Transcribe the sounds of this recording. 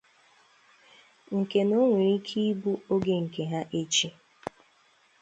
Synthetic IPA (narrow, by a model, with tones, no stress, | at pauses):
ŋ̩˨ke˨no˦ŋʷe˨ɾi˦kʰi˦bu˦o˦ɡe˦ŋ̩˨ke˨ɦa˦ʔe˦t͡ʃi˦